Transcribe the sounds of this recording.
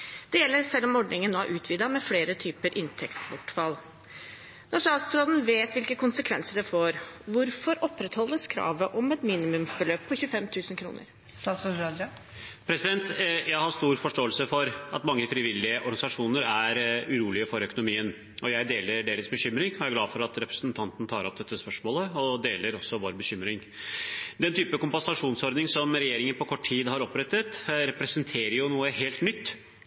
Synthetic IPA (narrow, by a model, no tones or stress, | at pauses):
d̪̥ɛjɛlːəɾsɛlːɔmɔɖɳnɪŋənnoːæ̰ɾʔʉːt̪ʰʋiːd̪ɑmɛfleːɾət̪ʰyːpəɾʔɪnt̪ʰɛkt̪sbɔʈːfɑlː | nɑʂɑːt̪sɾoːd̪ənʋeːt̪ʋɪlkəkʊnsəkʰʋɛ̰nsəɖɛfoːɾʋʊɾfɔɾɔpːɾɛt̪hɔld̪əskʰɾɑ̰ːʋəʔɔmɛt̪miːnɪmʉmsbəløːpʰːɔçʉːəfɛmt̪ʰʉːsən̩kʰɾṵːnə̰ɾ | st̪ɑt̪sɑd̪pʰɾɛsɪd̪ɛnt̪jæɪhɑst̪uːɾfɔʂʈoːəlsəfɔɾɑt̪mɑŋːəfɾɪʋɪlːɪəʔɔɾɡɑnɪsɑʂuːnəɾæɾʉɾuːlɪəfɔɾœkʊnʊmiːən | ɔjæɪd̪eːləɖeːɾəsbəɕʏmɾɪŋɔææɡlɑːfɔɾɑt̪ɾɛpɾə̥snt̪ʰɑnt̪ən̩t̪ʰɑːɾɔp̚d̪ɛt̪ːəspœʂmoːləɔd̪eːləɾɔsːɔʋoːɾbəɕʏmɾɪŋ | d̪ɛnt̪ʰyːpəkʊmpɑnsɑʂuːnsɔɾd̪nɪŋsɔmɾɛjeːɾɪŋənpɔkʰɔʈːʰiːd̪ɦɑɾɔpɾɛt̪ːət̪ɾɛpɾɛsənt̪ʰeːɾəjʊnuːəɦeːlt̪nʏt̪ː